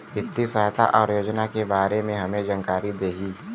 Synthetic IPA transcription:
ʋɪt̪ːisaːɦt̪ʰa̰ʔɔːɾjoːd͡ʒnakebaːɾemẽɦɐmẽd͡ʒɐŋkaːɾid̪eːɦiː

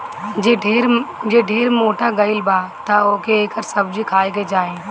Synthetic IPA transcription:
d͡ʒeɖʱeːɾd͡ʒeːɖʱeːɾmoːʈaɡɐɪlbaːt̪aoːkeeːkəɾsəbd͡ʒikʰaːjked͡ʒaːẽː

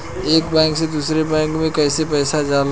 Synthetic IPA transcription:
eːkbɛ̃ːŋksed̪uːsɾebɛ̃ːŋkmẽkɛːsepɛːsad͡ʒaːl

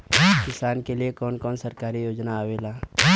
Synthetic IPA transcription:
kɪsaːnkeliekɔːnkɔːnsɐɾkaːɾijoːd͡ʒnaːweːlaː

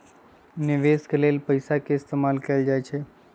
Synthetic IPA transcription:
nɪʋeskeleːlpəɪsakeɪst̪eːmaːlkeld͡ʒajt͡ʃʰe

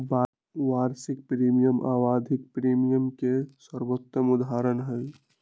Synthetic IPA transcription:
ba | waːɾsɪk̚pɾiːmijəmʔaːwaːd̪ʱɪk̚pɾiːmijəmkeswəɾwot̪jəmʊd̪aːɾənɦɛ̃ː

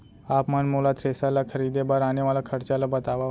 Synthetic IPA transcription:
apmənmolat̪ʰɾesalakʰəɾid̪ebaɾaneʋalakʰəɾt͡ʃalobət̪aʋa

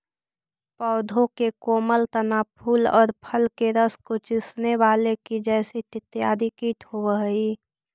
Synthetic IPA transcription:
pɔːd̪ʱõkekoːməlt̪ənaːpʰuːlɔ̰ːɾpʰəlkeɾəskot͡ʃɪsneʋaːlekid͡ʒɛːset̪ɪt̪jaːd̪ʱɪkit̪hoəɦi

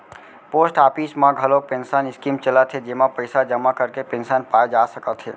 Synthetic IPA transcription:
poːsʈaːpismãɡʱəlok̚pensənɪskimt͡ʃələt̪ʰɦed͡ʒeːmapəɪsad͡ʒəmakəɾkepẽnsənpaːjd͡ʒasəkət̪ɦḛː

